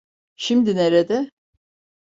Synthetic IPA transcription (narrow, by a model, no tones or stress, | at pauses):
ʃimd̪ineɾed̪ɛ